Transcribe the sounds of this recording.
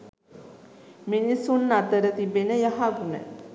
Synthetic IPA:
minisunːat̪əɾət̪ibenəjaɦaɡunə̰

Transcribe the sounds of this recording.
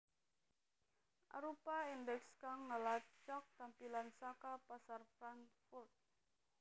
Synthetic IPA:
ʔa̰ɾopaindɛkskaŋːəlat͡ʃɔk̚t̪ampilansakapasarfɾaŋfurt̪̚

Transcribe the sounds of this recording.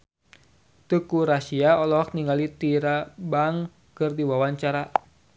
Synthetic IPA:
t̪ukuɾasiaɔlɔkniŋɡalit̪iɾabaŋ | kɨrdiwawaɲt͡ʃaɾa

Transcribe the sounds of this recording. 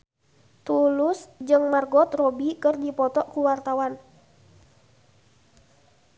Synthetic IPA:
t̪ulʊsd͡ʒɨŋmarɡɔt̪rɔbikɨrdipɔt̪ɔʔkuwart̪awan

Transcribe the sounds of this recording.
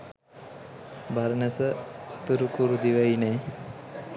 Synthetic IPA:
baɾənəsəot̪uɾukuɾud̪iʋainaj

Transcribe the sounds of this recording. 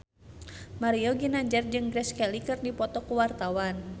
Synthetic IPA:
maɾiɔɡinaɲd͡ʒərd͡ʒɨŋɡɾɛskɛlikɨrdipɔt̪ɔkuwart̪awan

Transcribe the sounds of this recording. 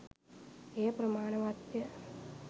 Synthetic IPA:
eːpɾɐmaːɳɐʋaːt̪jɐ

